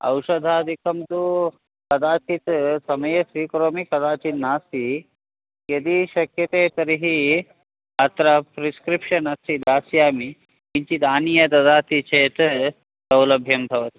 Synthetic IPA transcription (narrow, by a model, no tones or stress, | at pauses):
ɐ̰wʃɐd̪ʱaːd̪ʱikʰɐmt̪u | kɐd̪aːt͡ʃit̪sɐmɐjesʋiːkɾoːmikɐd̪aːt͡ʃit̪naːsi | jɐd̪iʃɐkjɐt̪eːt̪ɐɾiɦi | ɐt̪ɾɐpɾiskɾipʃɐnɐst̪ʰid̪aːsjaːmi | iɲt͡ʃit̪aːnijɐt̪ɐd̪aːt̪it͡ʃʰeːt̪ | sɐwlɐbʱjɐmbʱɐʋɐt̪i̥